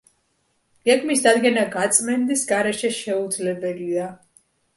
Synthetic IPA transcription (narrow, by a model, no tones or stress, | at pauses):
ɡ̥ɛɡmisd̪ad̪ɡɛnaɡat̪sʼmɛnd̪isɡaɾɛʃɛʃɛud̪zlɛbɛlia